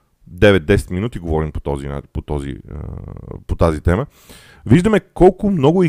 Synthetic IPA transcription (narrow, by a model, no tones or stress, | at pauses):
d̪ɛvɛt̪̚d̪ɛsɛ̥t̪minut̪iɡovɔɾinpo̥t̪ɔzḭpot̪ɔzḭ | pot̪azit̪ɛmə | viʒd̪əmɛkɔlˠkʊmnɔɡʊi